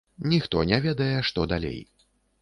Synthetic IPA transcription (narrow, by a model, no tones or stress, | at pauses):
nʲixt̪ɔnʲɛvʲɛd̪ɐjɛʂt̪ɔd̪alʲḛj